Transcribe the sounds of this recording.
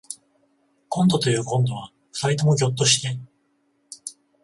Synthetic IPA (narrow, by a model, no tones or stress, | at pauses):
kõ̞nd̪o̞t̪o̞jɯ̟ːkõ̞nd̪o̞β̞a | sait̪o̞mo̞ɡʲo̞t̪̬ːo̞ɕi̥t̪e̞